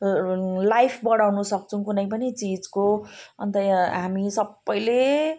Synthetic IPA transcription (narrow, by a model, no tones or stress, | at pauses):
lajpʰbʌɽawnusʌk̚t͡sʰʌ̃kunʌjpʌnit͡sid͡zkoʌ̰nt̪ʌɦamisʌbːʌjle